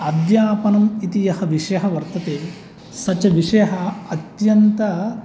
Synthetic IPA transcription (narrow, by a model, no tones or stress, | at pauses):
ɐd̪jaːpɐnɐmit̪ijɐhɐʋiʂɐjɐɦɐʋɐɾt̪ɐt̪eː | sɐt͡ʃɐʋiʂɐjɐɦɐɐt̪jɐnt̪ɐ